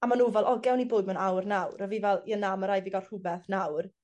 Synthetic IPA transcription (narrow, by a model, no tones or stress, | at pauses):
amanuːvɛlˠʔɔɡɛwniboːdmanawrnawrəviːvɛlˠiənaməɾajviɡḁr̥ʊbɛθnawr